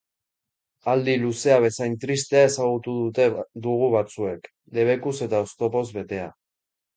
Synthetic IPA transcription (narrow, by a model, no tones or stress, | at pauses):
ald̪iluse̞aβ̞e̞sajnt̪ɾist̪e̞ae̞saɣ̞ut̪uðut̪e̞d̪uɣ̞uβat͡sue̞k | le̞β̞e̞kuse̞t̪aost̪o̞po̞zβe̞t̪e̞a